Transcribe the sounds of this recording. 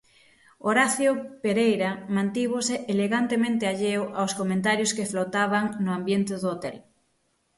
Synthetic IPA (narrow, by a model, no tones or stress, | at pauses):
oɾaθjopeɾejɾamãnt̪iβ̞oseeleɣant̪emẽnt̪eaʎewʔawskomẽnt̪aɾjʊskeflot̪aβaŋnʊambjent̪eðoot̪ɛl